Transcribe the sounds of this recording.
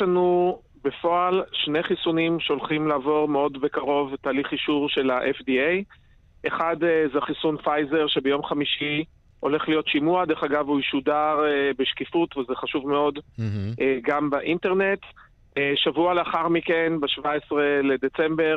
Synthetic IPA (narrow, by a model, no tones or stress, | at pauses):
anu | be̞fo̞alʃneχisunimʃeo̞lχimlaːvo̞ʁmeo̞dbekaʁo̞vtaːliχiʃuʁʃe̞laʔefdiej | ʔeχadzeχisunfajze̞ʁʃe̞bejo̞mχamiʃi | o̞le̞χlijo̞tʃimuad̪eχaɡavuiʃudaʁbeʃkifutvezeχaʃuvmeo̞dʔeɡambaʔinte̞ʁne̞t | ʃavualeaχaʁmike̞nbeʃvaesʁeled̪et͡sembe̞ʁ